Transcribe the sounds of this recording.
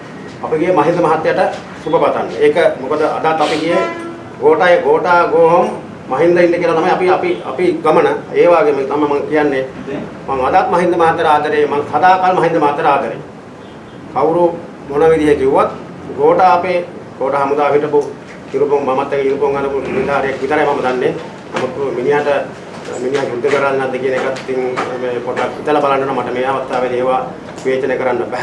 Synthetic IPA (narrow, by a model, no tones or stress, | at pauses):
apiɡijemɐɦind̪ɐmaɦat̪ːjaʈə | subɐpat̪anːḛeːkɐmukod̪əa̰d̪aːt̪ːɐpiɡije | ɡoːʈaːjeɡoːʈaːɡoːɭomː | ɐɦind̪ɐind̪eɐkiəlat̪amɐjapiapia̰piɡɐmɐnɐeːʋaːɡemnamɐmaŋkijanːe | maŋad̪aːt̪̚mɐɦind̪əmaɦat̪ːɐɾaːd̪ɐɾeːmaŋsad̪aːkalmɐɦind̪ɐmɐɦat̪ːɐɾaːd̪ʱɐɾḛː | kawɾu | ɦonaʋid̪iɦed͡ʒiwʋat̪ | ɡoːʈapeɡoːʈaɦamud̪aːɦiʈəpu | iɾupoŋmamat̪ːɐkeiɾupoŋɡad̪ɐbuluulit̪aːɾijakʋit̪əɾajmaməd̪anːe | na̰muk̪ːminiɦaʈə | miniɦaɦud̪ːukəɾanːad̪ekinekat̪ːiŋmeːpoʈakʋit̪ələbalaɳɖəʈəmaʈəmeːaʋast̪aːʋed̪eːʋaː | ʋeːt͡ʃənekəɾanːəbæɦ